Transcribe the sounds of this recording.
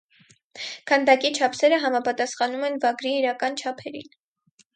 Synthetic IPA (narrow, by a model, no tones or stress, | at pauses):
kʰɑnd̪ɑkit͡ʃʰɑpʰsɛɾəɦɑmɑpɑt̪ɑsχɑnumɛnvɑɡɾiːɾɑkɑnt͡ʃʰɑpʰɛɾḭn